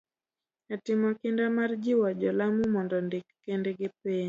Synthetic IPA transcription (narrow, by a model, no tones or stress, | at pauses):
atɪmɔkɪndamard͡ʒiwɔd͡ʒɔlamumɔndɔndɪkːendeɡɪpeɲ